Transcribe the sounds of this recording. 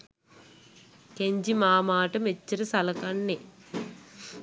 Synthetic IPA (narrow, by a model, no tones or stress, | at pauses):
keɲd͡ʒimaːmaːʈɐmet͡ʃːɐɾɐsɐlɐkɐɳːe